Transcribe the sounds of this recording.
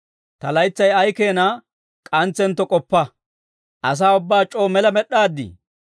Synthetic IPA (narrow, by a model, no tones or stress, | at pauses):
t̪ɐlɐjt͡sːɐjɐjkeːnɐ | kʼɐnt͡sːɛnt̪ːɔkʼɔpːɐ | ʔɐs̬aːʊbːaːt͡ʃʼoːmɛlɐmɛɗːaːd̪ːḭ